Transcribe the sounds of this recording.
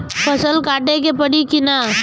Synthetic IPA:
pɐsəlkaːʈekepɐɽikɪna

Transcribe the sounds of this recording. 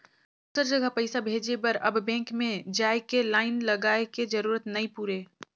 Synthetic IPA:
ʊsəɾd͡ʒɐɡʱəpəɪsabʱeːd͡ʒebɐɾɐbːɛ̃ːŋkmẽd͡ʒaːekelaːɪnlɐɡaːeked͡ʒɐɾuːɾət̪nɐipuːɾeː

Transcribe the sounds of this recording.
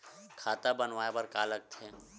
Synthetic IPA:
kʰaːt̪abənʋaːepəɾkaːlək̚t̪ʰɛː

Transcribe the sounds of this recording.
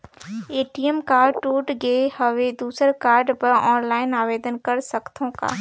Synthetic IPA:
eːʈiəmkaːʈuːʈɡehəʋed̪uːsəɾkaːɾɖpəɾɔːnlaːɪnaːʋeːd̪ənkɐɾsəkt̪ʰõka̰ː

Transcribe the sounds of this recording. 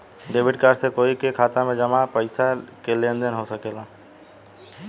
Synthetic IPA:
ɖeːbʱiɖkaɾsekoikekʰaːt̪amẽd͡ʒəmapəɪsakelẽnd̪enɦosəkela

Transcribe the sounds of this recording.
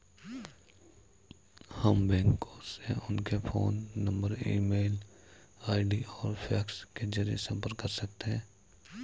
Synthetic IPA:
həmbɛ̃ːŋkõseʊnkepʰoːnːə̃mbəɾḭːmeːl | aːɪɖiɔːɾpʰɛːksked͡ʒəɾijḛsɐ̃mpəɾkːəɾsɐk̚t̪eɦɛ̃ː

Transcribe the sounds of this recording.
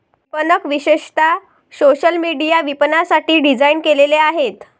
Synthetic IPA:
pənəkʋiɕeʂt̪a | soɕəlmiɽijaʋipənasaʈiːɖid͡zainkeleleaɦet̪

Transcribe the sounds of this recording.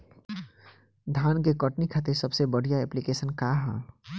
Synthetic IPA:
d̪ʱaːnk̬ekəʈnikʰaːt̪eɾsəbsebəɽ̤ijaɛplikeːsənkaɦɛ̰

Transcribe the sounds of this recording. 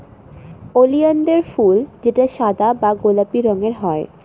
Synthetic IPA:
olijand̪eɾfuld͡ʑeʈaʃad̪abaɡolapiɾɔŋeɾɦɔe

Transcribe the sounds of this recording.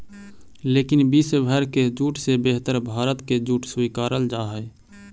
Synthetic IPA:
leːkɪnbisbʱəɾked͡ʒuːʈsebeɦt̪əɾbʱaːɾət̪ked͡ʒuːʈswikaːɾəld͡ʒaɦəɪ

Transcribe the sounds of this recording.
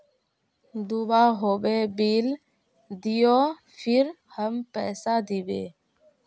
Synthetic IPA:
d̪ubaːɦoːbeːbiːl | d̪ɪjoː | pʰɪɾ | həmpɛːsaːd̪ibḛː

